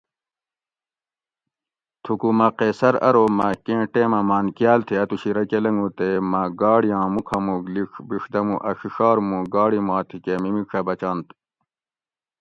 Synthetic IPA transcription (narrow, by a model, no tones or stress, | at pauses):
t̪ʰukumɐqeːsɐɾɐ̰ɾoːmɐkẽːʈeːmɐmaːnkijaːlt̪ʰeɐt̪uɕiɾɐkelɐŋɡut̪emɐɡaːɽijɑ̃ːmukʰɐmuɡliʂbiʂd̪ɐmuʔɐʂiʂɑːɾmũɡaːɽimãːt̪ʰikemimiʂʰɐbɐt͡ɕãːnt̪